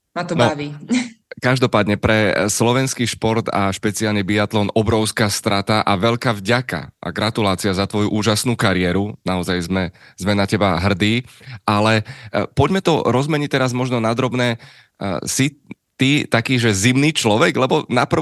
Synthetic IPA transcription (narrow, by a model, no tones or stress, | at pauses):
mat̪ɔnɔʋikaʒd̪ɔpaːd̪ɲɛpɾɛslɔʋɛnskiːʃpɔɾt̪a̰ʃpɛt͡sialnibiat̪lɔnɔbɾɔʊskaːst̪ɾat̪aʔaʋɛʎkaːvɟaka̰ʔa̰ɡɾat̪ulaːt͡siazat̪ʋɔjuʔuːʒasnuːkaɾɪɛɾunaɔzajzmɛzmɛnacɛbaɦr̩d̪iːʔalɛpɔɟmɛt̪ɔɾɔzmɛɲic̚t̪ɛɾazmɔʒnɔnad̪ɾɔbnɛː | si | t̪it̪akiːʒɛzimniːt͡ʃlɔʋɛɡlɛbɔnapr̩